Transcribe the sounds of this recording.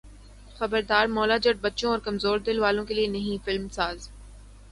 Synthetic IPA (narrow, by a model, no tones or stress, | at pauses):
xɐbəɾd̪aːɾmɔːlad͡ʒɐʈ̚bɐtːʃõɔːɾkɐmzoːɾd̪ɪlʋaːlõkelienɐɦĩfɪlmsaːz